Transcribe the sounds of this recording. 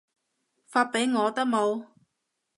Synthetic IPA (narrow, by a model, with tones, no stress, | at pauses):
faː˧t̚pe˨˥jŋɔː˨˧t̪ɐ˥k̚mo˨˧w